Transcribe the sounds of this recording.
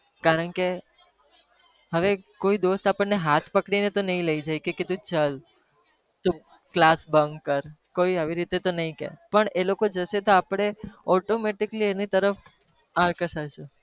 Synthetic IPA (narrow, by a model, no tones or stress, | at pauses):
kaɾəɳke | ɦəʋekoid̪ost̪apəɳneɦat̪ʰpəkɽinet̪onəɦĩləid͡ʒajkeket̪ũt͡ʃəl | t̪o | klasbəŋɡkəɾkoiaʋiɾit̪et̪onəɦĩkḛpəɳelokod͡ʒəʃet̪oapɽ̃eɔʈomeʈikəlienit̪əɾəf | aɾkəʃaɾʃu